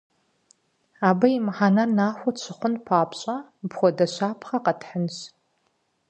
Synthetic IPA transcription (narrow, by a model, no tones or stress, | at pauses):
aːbɐjimħaːnɐrnaːxʷɔt͡ɕʰɪχʷʊnpʰaːpɕʼabxʷɔdɐɕaːpʰχɐqɐtħənɕ